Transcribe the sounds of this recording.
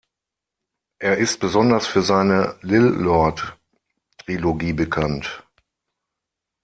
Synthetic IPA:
ʔeːɐɪstb̥əzɔndɐsfyːɐzaɪnəlɪlːɔɐt | tʁ̥iloɡiːbəkʰant

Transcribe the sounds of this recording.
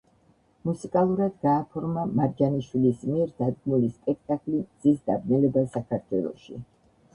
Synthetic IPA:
musikʼalˠuɾad̪ɡaːpʰɔɾmamaɾd͡ʒaniʃwilismiɛɾd̪ad̪̚ɡmulispʼɛk̚ʰt̪ʼakʼlimd̪z̥isd̪abnɛlɛbasakʰaɾt̪ʰwɛlˠɔ̰ʃḭ

